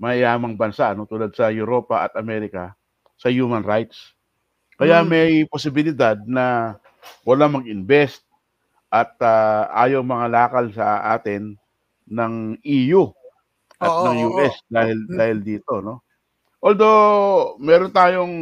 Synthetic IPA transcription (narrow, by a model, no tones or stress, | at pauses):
mɐʔɪjaːmɐŋbɐnsaʔno̞t̪uːlad̪̚sɐjʊɾo̞pɐʔɐ̰t̪ɐmɛːɾɪkɐ | sɐjuːmɐnɾajt̪̚s | kɐjamɛjposɪbɪlɪd̪ad̪̚nɐ | wɐlaŋmɐɡɪnbɛst̪̚ | ʔɐt̪̚aʔa̰ːjoŋmɐŋalaːkɐlsɐʔa̰ːt̪ɪnː | ɐŋʔiːju | ʔɐt̪ɐŋjuːʔɛsd̪aːhɪld̪aːhɪld̪iːt̪o̞no̞ | ʔold̪o̞mɛːɾont̪aːjo̞ŋ